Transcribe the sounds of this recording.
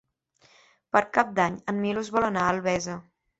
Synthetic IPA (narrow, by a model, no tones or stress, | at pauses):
pəɾkap̚d̪aɲəmmiluzβɔlənaəlˠβɛzə